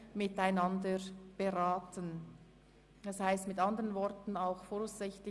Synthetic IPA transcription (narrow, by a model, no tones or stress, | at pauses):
mɪtaɪnɑndəb̥eʁaːtʰən | ɛshaɪstmɪtɑndəʁənvɔɾtn̩aʊxfoːɾaʊsz̥ɪçtlɪ